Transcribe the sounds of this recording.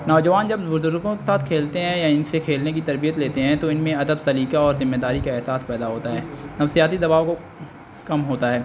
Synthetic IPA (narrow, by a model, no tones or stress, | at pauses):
nɔːd͡ʒɐʋaːnd͡ʒɐbzʊɾd̪ʊɾɡõkesaːt̪ʰkʰeːlt̪eɦɛ̃jaɪnsekʰeːlnekit̪ɐɾbijət̪leːt̪eɦɛ̃t̪oɪnmẽɐd̪əbsɐliːkaɔːɾzɪmːeːd̪aːɾikaɪɦsaːspɛːd̪aɦoːt̪aɦɛːnɐfsijaːt̪id̪ɐbaːʋko | kɐmɦoːt̪aɦɛː